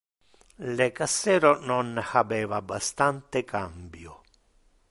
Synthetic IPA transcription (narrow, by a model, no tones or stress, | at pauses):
lekasːɛːɾononhabɛːvabːast̪ant̪ɪkʰambjʊ